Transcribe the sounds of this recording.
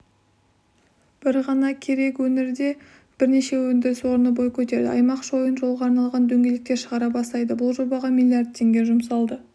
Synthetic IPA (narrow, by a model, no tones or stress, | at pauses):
b̥ɪɾʁɑnɑkʲʰe̞ɾe̞kwɵneɾd̪e̞ | b̥ɪɾne̞ʃe̞wɵnd̪ɪɾɪswo̞ɾənəbo̞jkʲʰɵt̪e̞ɾd̪ɪ̰ʔɑjmɑqʒo̞jənʒo̞lˠʁɑːɾnɑlˠʁɑnd̪ɵŋɡʲe̞lɪk̚t̪e̞ʃəʁɑɾɑbɑst̪ɑjd̪əbʊlˠʒo̞bɑʁɑmilʲˠijard̪̚t̪ʰːe̞ŋɡʲe̞ʒʊmsɑlˠd̪ə